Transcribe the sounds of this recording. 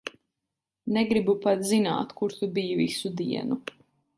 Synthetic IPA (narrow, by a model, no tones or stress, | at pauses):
neɡɾibupat̪zina̰ːt̪kuɾt̪ubiːvisud̪iɛnu